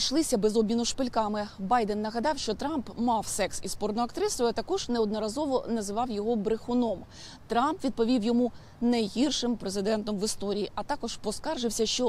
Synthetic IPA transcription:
ʃlˠɪsʲɐbɛzɔbʲmʲinʊʃpɪlʲkɑmɪbɑjd̪enːɐɦɐd̪ɑwʃt͡ʃɔt̪ɾɑmpmɑwsɛksispɔrnɔɐkt̪ɾɪsɔjʊɐt̪ɐkɔʒnɛɔd̪nɔɾɐzɔʋɔnɐzɪʋɑwjɔɦɔbɾɪxʊnɔm | t̪ɾɑmpʋʲid̪̚pɔʋʲiwjɔmu | nɐjɦirʃɪmpɾezɪd̪ɛnt̪ɔmʋɪst̪ɔɾʲijiʔɐt̪ɑkɔʒ̥pɔskɑrʒɪwsʲɐʃt͡ʃɔ

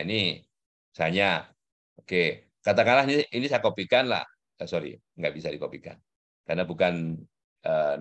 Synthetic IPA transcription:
ini | saɲa | oke | kat̪akanlahiniinisajakopikanla̰h | asoɾḭ | ŋɡaʔbisadikopika̰n | karnabukan | ə

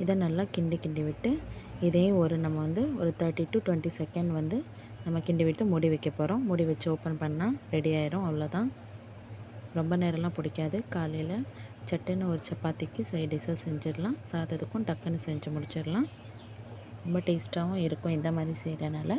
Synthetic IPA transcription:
ɪðɐ̃nɐlːaːkɪɳɖikɪɳɖiʋɪʈːɯɪðẽːɔɾɯnɐmːɐʋɐnd̪ɯɔɾɯt̪ɐɾʈːiʈːuːʈʊʋɛɳʈisɛkɛɳɖʋɐnd̪ɯ | nɐmːɐkɪɳɖɪʋɪʈːɯmʊɽiʋɛkːɐpoːɾõmʊɽɪʋɛt͡ʃːɯoːpɐnpɐɳːãːɾɛɽijaːjɪɾõɐʋɐlɐːt̪ãː | ɾɔmbɐneːɾɐlãːpʊɽɪkːaːðɯkaːlɐjlɐt͡ʃɐʈːɐnːɯɔɾɯt͡ʃɐpːaːt̪ɪkːɯsɐɪɖɪsaːsɛɲd͡ʒɪɾlãːsaːðɐðɯkːʊ̃ʈɐkːɐnːɯsɛɲd͡ʒɐmʊɽɪt͡ʃːɪɾlãː | ɾɔmbɐʈeːsʈaːʋʊ̃ɪɾɯkːʊ̃ɪnd̪ɐmaːd̪ɾisɛjɾɐnaːlɐ

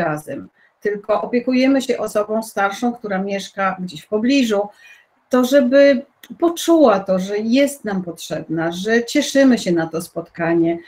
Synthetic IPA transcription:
ɾazɛm | t̪ɘlkɔʔɔpʲjɛkujɛmɘɕɛʔɔsɔbɔ̃w̃st̪aɾʂɔ̃w̃k̚t̪uɾamʲjɛʂkaɡd͡ʑeɕfpɔblʲiʐu | t̪ɔʐɛbɘ | pɔt͡ʂuwat̪ɔʐɛjɛst̪nampɔtʂɛbnaʐɛt͡ɕɛʂɘmɘɕɛnat̪ɔspɔt̪kaɲɛ

